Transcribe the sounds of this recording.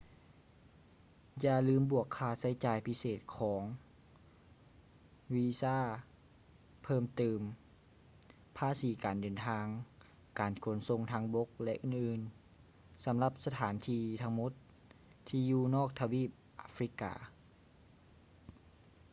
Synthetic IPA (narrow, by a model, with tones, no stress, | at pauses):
jaː˧lɯː˧mbu˧˩əkʰːaː˧˩t̪̚sa˧˥˦jt͡ɕaː˨jpʰi˧˥seː˨˩t̪̚kʰɔː˩˨˦ŋ | wiː˧saː˧˥˩ | pʰɤː˧˥˩mt̪ɯː˨˩m | pʰaː˧˨siː˨˦kaː˨˩ndɤː˨˩nt̪ʰaː˧ŋ | kaː˨˩nkʰo˨˩˦nso˧ŋt̪ʰaː˧˥ŋbo˧˦˥k̚lɛ˧ʔɯː˨˩nʔɯː˨˩n | sa˨˦mla˧˩p̚sa˧t̪ʰaː˩˦nt̪ʰiː˧t̪ʰa˧˥ŋmo˧˥t̪ʰː | iː˧juː˧nɔː˥˩k̚t̪ʰa˧wiː˧˩p̚ʔa̰ː˧˦fɾi˦˥ka̰ː˨˩